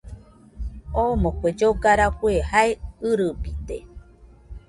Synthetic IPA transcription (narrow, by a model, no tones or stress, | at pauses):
omokʷed͡ʒoɡaɾakuehaeɨɾɨbit̪e